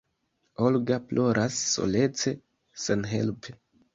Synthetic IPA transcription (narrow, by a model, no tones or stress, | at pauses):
olɡaplʔo̞ɾʔasːo̞̰le̞t͡se̞ | senɦe̞̰lpe